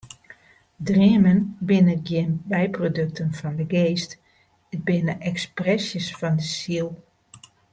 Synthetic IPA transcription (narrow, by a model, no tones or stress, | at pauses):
driəmənbɪnəɡjɪnbɛjprodøk̚tʰənfɔndəɡeːst | ət̚bɪnəʔɛksprɛsjəsfɔndəsilˠ